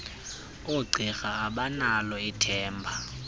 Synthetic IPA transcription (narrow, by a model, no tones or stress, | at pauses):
uɡ͡ǀʱixaːɓanalɔitʰɛːmbʱa